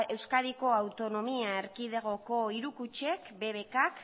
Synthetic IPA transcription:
e̞wskaðiko̞awt̪o̞no̞miaeɾkiðeɣ̞o̞ko̞iɾukut͡ʃe̞kbe̞βe̞kak

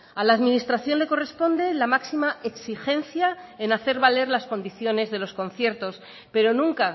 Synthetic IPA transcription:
alaːðmĩnist̪ɾaθjo̞nle̞ko̞re̞spo̞nd̪e̞lamaksimaeksixe̞nθjaenaθe̞ɾβale̞ɾlasko̞nd̪iθjo̞ne̞zðe̞lo̞sko̞nθje̞ɾt̪o̞s | pe̞ɾo̞nũŋka

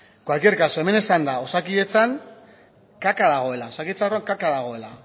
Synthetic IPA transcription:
ɡwalkie̞ɾkasoe̞me̞ne̞sand̪ao̞sakie̞t͡saŋ | kakaðaɣ̞o̞e̞laosakiet͡saoroaŋkakaðaɣ̞o̞e̞la

